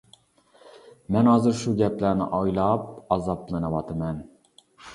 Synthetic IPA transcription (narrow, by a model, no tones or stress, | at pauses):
mɛnhɑːzɨɾʃuɡʲɛplæɾnɪ̰ʔɑjlˠɑp̚ɑzɑplˠɨnɑwɑt̪ʰɨmɛn